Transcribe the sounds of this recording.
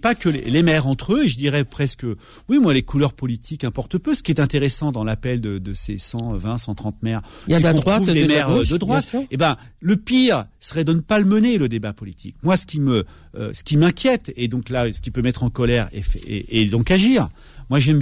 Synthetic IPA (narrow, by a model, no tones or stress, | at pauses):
pakəlḛlemɛʁɑ̃t̪χøeʒəd̪iʁɛpχɛskə | wimwalekulœʁpɔlit̪ʰik̪ɛ̃pɔʁt̪əpøsə̥kʲiɛt̪ɛ̃t̪eʁesɑ̃d̪ɑ̃lapɛld̪əd̪əsesɑ̃vɛ̃sɑ̃t̪χɑ̃t̪mɛʁiɔ̃uvd̪emɛʁd̪əd̪ʁwat̪ebɛ̃ləpiʁsəʁɛd̪ənəpaləməneləd̪ebapɔlit̪ʰḭk̚mwasə̥kʲimə | ø̰sə̥kʲimɛ̃kʲjɛt̪ed̪ɔ̃klasə̥kʲipømɛt̪χɑ̃kɔlɛʁɛ̰fːd̪ɔ̃kaʒiːʁ | mwaʒɛm